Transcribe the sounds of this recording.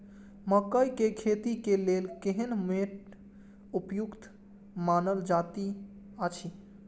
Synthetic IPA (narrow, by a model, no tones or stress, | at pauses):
məkəjkekʰet̪ikelelkeɦənmeʈ | upjukt̪ | manəld͡ʒat̪i | ət͡ʃʰi